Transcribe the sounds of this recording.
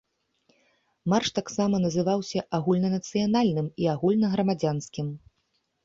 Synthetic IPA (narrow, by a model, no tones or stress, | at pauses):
marʂt̪aksamɐnɐzɨvawsʲɐʔaɣulʲnɐnɐt̪sɨjanalʲnɨmiaɣulʲnɐɣɾɐmad͡zʲanskʲim